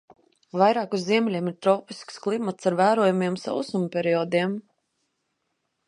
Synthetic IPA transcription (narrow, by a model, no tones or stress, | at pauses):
vajɾaːkuzːiɛmʲlʲiɛmiɾt̪ɾɔːpisksklˠimat̪saɾvæːɾuɔjumiɛmsa̰ṵsumpʲɛɾiɔd̪iɛm